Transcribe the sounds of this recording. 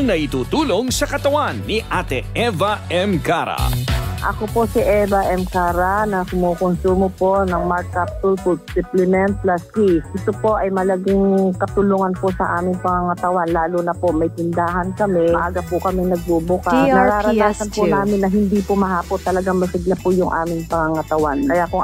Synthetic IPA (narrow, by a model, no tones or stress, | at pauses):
ŋnɐʔɪt̪uːt̪uːloŋsɐkɐt̪ɐwanːiʔat̪ɛʔɛvaʔɛmkaɾa̰ʔɐ̰koposiʔɛvɐʔɛmkaːɾɐnɐkʊmuːkʊnsuːmopo̞nɐŋmakapsʊlfʊd̪̚sɪplɛmɛnt̪̚plaskisʔɪt̪opo̞ʔɐjmɐlɐɡɪŋkɐt̪ʊluːŋɐnposɐʔaːmɪŋpɐŋaŋɐt̪ɐwanlaːlunɐpo̞ʔmɐjt̪ɪnd̪aːɦɐnkɐmɛʔaːɡɐpʊkɐmɛnɐɡ̚bubʊkasnɐɾaːɾɐnaːsɐnpʊnaːmɪnːɐɦɪnd̪ipʊmɐɦaːpont̪ːɐlɐɡaŋmɐsɪɡlɐpʊjʊŋʔa̰ːmɪŋpɐŋaŋɐt̪ɐwankɐjakʊŋ